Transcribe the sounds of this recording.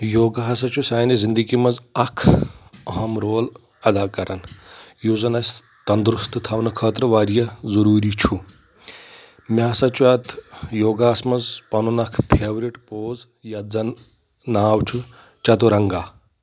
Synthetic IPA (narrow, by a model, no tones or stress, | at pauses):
joːɡaɦɐsɐt͡ʃʰusaːjnizind̪əɡimɐzɐkʰɐɦɐmɾoːl | ɐd̪aːkɐɾɐnjuːzɐnasʲ | t̪ɐnd̪ɾust̪ɨt̪ʰawnɐkʰɐːt̪ɾɐʋaːɾjɐzɐɾuːɾit͡ʃʰu | mʲaːsɐt͡ʃʰuɐt̪ʰjoːɡaːsmɐzpɐnunɐkʰpʰeːʋɾiʈpoːz | jɐzɐn | naːwt͡ʃʰu | t͡ʃɐt̪uɾɐŋɡaː